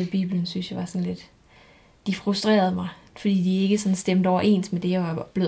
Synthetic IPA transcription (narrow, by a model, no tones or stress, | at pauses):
b̥ḭːb̥lənsynsjɑ̈ʋɑ̈sɒ̽nle̝d̥ | d̥ifʁusd̥ʁḛːɐð̞ˠmɑ̈ɪ | fɒd̥ḭːd̥ie̝ɡ̥əsɒ̽n̩sd̥emd̥ɒʊ̰ɐʔe̝̰ːnsmed̥e̝jɑ̈ʋɑ̈b̥le̝